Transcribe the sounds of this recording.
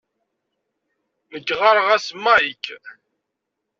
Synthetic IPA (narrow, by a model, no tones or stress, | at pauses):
məɡʁɑɾˤʁæsmːæjikː